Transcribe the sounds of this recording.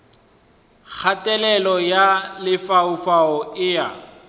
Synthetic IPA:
k͡xʰatʼɛlɛlɔjalɪfaʊfaɔɪja̰

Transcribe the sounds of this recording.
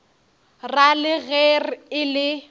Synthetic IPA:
ralɪɣɛrɪlɪ

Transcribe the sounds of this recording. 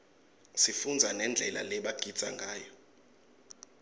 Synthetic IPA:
sifund͡zʱanɛnd͡ɮʱɛla̰lɛɓaɡ̥ʱid̥z̥ʱa̰ŋɡʱaːjɔ

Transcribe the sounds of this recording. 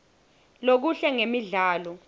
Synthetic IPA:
lok̬uɬɛŋemiɮaːlɔ

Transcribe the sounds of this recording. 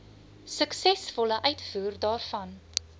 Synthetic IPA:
səksɛsfɔləʔœɥtfuːrdɑːrfɐn

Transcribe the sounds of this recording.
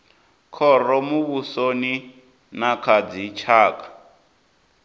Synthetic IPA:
kʰɔrɔmuβusoni | nakʰad͡zit͡ʃʰaːkḁ

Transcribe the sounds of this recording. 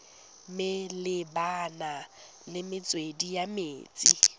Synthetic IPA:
mɪlɪbana | lɪmɪt͡sʼwedijameːt͡sʼi

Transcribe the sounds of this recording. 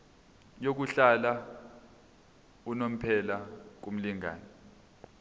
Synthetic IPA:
jok̬uɬala | unom̩pʰɛlak̬um̩liŋa̰ːnɛ

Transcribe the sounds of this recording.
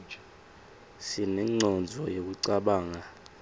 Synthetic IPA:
sinɛŋ͡ǀʱɔnd͡zʱɔjek̬uǀaɓaːŋa

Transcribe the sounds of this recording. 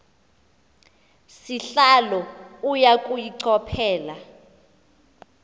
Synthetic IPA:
siɬalɔujakʼujiǀʰɔpʰɛːla

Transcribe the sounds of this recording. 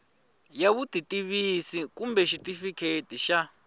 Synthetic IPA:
jaβutʼitʼiβisikumbɛʃitifikʰetiʃa

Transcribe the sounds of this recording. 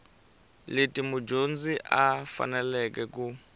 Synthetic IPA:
letʼimud͡ʒond͡ziʔafa̰nɛlɛkɛku

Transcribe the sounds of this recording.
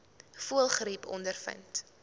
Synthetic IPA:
fuəlˠχɾipʰɔ̰ndərfə̰nt

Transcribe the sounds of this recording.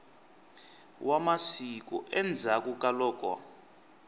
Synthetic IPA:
wʔamasik̬ɔ̰ʔɛnd͡zʱak̬ʼuk̬ʼalɔːk̬ʼwa̰

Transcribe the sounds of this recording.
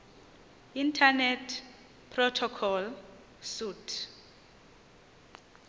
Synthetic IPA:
intʰanɛtʰ | pʰrɔtʰɔkʰɔl | sutʰ

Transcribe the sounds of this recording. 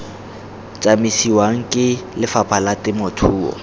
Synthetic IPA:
t͡sʼamisiwaŋ̩kʼɪlɪfapʰalatɪmʊtʰuːɔ̰

